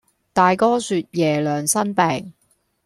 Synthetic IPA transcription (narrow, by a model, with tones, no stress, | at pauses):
t̪aː˨jkɔː˥syː˧t̚jɛː˨˩lœː˨ŋsɐ˥npɛː˨ŋ